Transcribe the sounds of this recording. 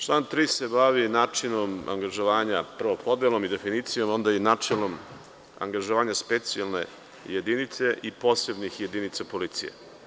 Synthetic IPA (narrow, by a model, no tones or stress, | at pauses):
t͡ʃlˠaːnt̪ɾiːse̞baʋinaːt͡ʂino̞ma̰ŋɡaʒo̞ʋaːɲapr̩ʋopʰo̞d̪jelˠo̞mid̪e̞finiːt̪sijo̞mo̞nd̪ainaːt͡ʂelo̞m | a̰ŋɡaʒoʋaːɲaspe̞t̪sialne̞̰ | jed̪init̪se̞ʔipo̞ːsebnixje̞d̪init̪sapo̞lit̪sḭjḛ